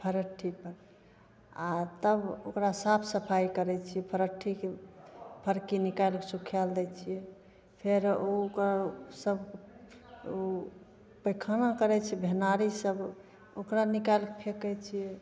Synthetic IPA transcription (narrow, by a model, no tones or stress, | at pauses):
pʰəɾəʈʰːipəɾ | at̪əbokɾasapʰsəpʰajkəɾɛt͡ʃʰijɛpʰəɾəʈʰːikepʰəɾkenikalkesukʰjald̪ɛt͡ʃʰijɛ | pʰeɾokɾasəb | o | pəkʰanakəɾɛt͡ʃʰɛbʱenaɾisəb | okɾanikalkepʰekɛt͡ʃʰijɛ